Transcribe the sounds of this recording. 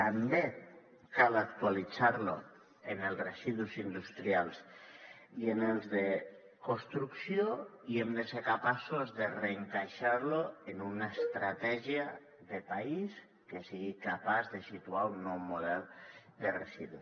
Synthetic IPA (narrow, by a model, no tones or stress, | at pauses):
t̪ambe | kalak̚t̪ualit͡saɾlo̰ | enelzresiðusind̪ust̪ɾialˠs | ienelˠzðe | kost̪ɾuksjoiemd̪eseɾkapasozðereːŋkajʃaɾloenunaest̪ɾat̪ɛʒia | ðepais | kesiɣikapazðesit̪uaunːɔwmoð̞ɛlˠd̪eresiðu